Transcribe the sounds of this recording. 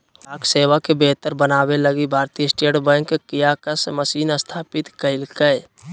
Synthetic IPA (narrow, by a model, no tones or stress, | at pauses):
aːkseːwakebeːt̪əɾbənaːweləɡibʱaːɾt̪ijəsʈeːʈbə̃ŋkːkːijakəsməsiːnəst̪ʰaːpɪt̪kəɪlkəɪ